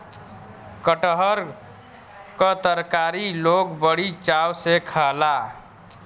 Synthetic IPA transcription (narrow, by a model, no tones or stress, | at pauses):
kəʈəɦəɾ | kət̪əɾkaɾilokbəɽit͡ʃawsekʰəla